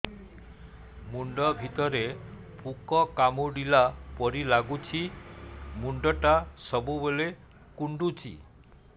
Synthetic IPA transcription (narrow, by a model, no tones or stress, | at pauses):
muɳɖɔbʱit̪ɔɾe | pukɔkamuɖilapɔɾilaɡut͡ʃʰi | muɳɖɔʈasɔbubole | kuɳɖut͡ʃʰḭ